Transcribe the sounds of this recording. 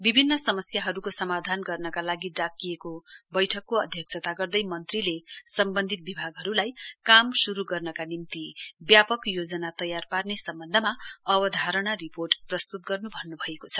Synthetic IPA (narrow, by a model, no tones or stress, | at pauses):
bibʱinːʌsʌmʌsjaɦʌɾukosʌmad̪ʱanɡʌrnʌkalaɡiɖakːijekobʌjʈʰʌkːoʌd̪ʱjʌksʰʌt̪aɡʌrd̪ʌjmʌnt̪rilesʌmbʌnd̪ʱit̪̚bibʱaɡɦʌɾulajkamsuɾuɡʌrnʌkanimt̪ibjapʌkjod͡zʌnat̪ʌjarparnesʌmbʌnd̪ʱʌmaʌbʌd̪ʱaɾʌɽ̃aɾiporʈprʌst̪ut̪̚ɡʌrnubʱʌnːubʱʌekot͡sʰʌ̥